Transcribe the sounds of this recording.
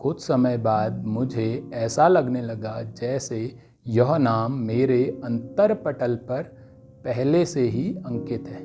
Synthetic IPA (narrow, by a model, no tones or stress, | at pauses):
kʊt͡ʃʰsɐməjbaːd̪mʊd͡ʒʱeɛːsalɐɡnelɐɡad͡ʒɛːse | jɐɦnaːmːeːɾeɐ̃nt̪əɾpɐʈəlpɐɾ | pɛɦleseɦiɐ̃ŋkɪt̪ɦɛː